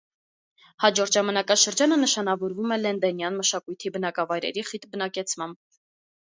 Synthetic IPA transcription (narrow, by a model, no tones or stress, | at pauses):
hɑd͡ʒɔɾt̪ʒɑmɑnɑkɑʃəɾd͡ʒɑnənəʃɑnɑvɔɾvumɛlɛnd̪ɛnjɑnməʃɑkujt̪ʰibənɑkɑvɑjɾɛ̰ɾiχit̪bənɑkɛt͡sʰmɑmb̚